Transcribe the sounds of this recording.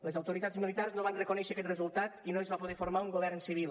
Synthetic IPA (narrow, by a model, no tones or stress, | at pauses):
ləzawt̪oɾit̪azmilit̪arznoβanrəkonɛʃəkɛt̪rəzulˠt̪at̪inoezβapoð̞efoɾmauŋɡoβɛɾnsiβ̞ilˠ